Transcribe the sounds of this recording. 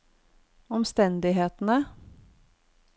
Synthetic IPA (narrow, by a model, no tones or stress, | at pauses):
ɔmst̪ɛnd̪ɪɦeːt̪n̩ə